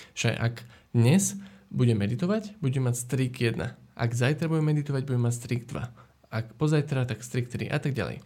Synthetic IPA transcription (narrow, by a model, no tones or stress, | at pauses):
ʒa̰ʔa̰ɡd̪ɲɛzbuɟɛmɛd̪it̪ɔʋaɟbuɟɛmacst̪ɾiɡjɛd̪na̰ʔa̰ɡzajt̪ɾabuɟɛmɛd̪it̪ɔʋaɟbuɟɛmacst̪ɾiɡd̪ʋa̰ | akpɔzajt̪ɾat̪akst̪ɾik̚t̪ɾḭʔa̰t̪aɡ̚ɟa̰lɛ̰j